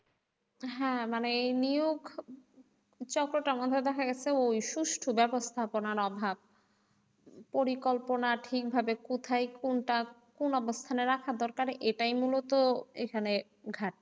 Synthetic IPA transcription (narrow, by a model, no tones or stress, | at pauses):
ɦɛ̃maneejnijoɡ | t͡ɕɔkɾoʈamɔd̪ʱːed̪ɛkʰaɡɛt͡ɕʰeojʃuʃʈʰobɛbost̪ʰaponaɾɔbʱab̚ | poɾikolponaʈʰik̚bʱabekot̪ʰajkonʈakonɔbost̪ʰaneɾakʰad̪ɔɾkaɾʔeʈajmulot̪oḛkʰane | ɡʱaʈ̚